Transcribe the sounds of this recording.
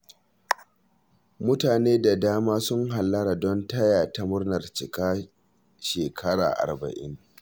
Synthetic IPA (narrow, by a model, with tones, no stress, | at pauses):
mʊ˦taː˨neː˦da˨daː˦maː˦sʊ˦ŋɦa˨lːɐ˦ɾa˨dɔ˦ntɐ˦jaː˨ta˦mʊ˦rnɐ˨rt͡ʃɪ˨kʼaː˦ | ʃeː˨kʰɐ˦ɽa̰ː˨ʔa̰˨rbɐ̰˨ʔɪ̰˦ŋ